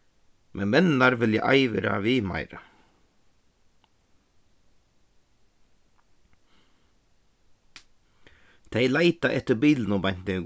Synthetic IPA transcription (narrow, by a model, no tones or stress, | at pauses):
mʔɛnmɛnːaɾʋɪlja̰ʔa̰jʋɪɾa̰ʋɪːma̰ɪɾa̰ | t̪ʰejlaɪt̪aʔɛht̪ɪɾbiːlnʊbajn̥t̪ɪɡ